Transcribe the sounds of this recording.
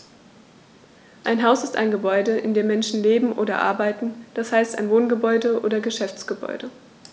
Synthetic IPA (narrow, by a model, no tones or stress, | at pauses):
ʔaɪnɦaʊsɪsta̰ɪnɡəbɔʏdəɪ̰ndeːɐmɛnʃn̩leːbm̩ʔo̰ːdɐ̰ʔa̰ɐbaɪtn̩d̥ashaɪsta̰ɪnvoːnɡəbɔʏdəʔo̰ːdɐɡəʃɛft͡sɡ̥əbɔ̰ʏdə